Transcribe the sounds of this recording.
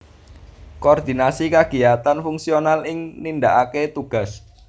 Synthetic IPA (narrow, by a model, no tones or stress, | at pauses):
koːrd̪̥inasikaɡ̥i̤jat̪anfuŋsionalɪŋnind̪aʔaket̪uɡ̥a̤s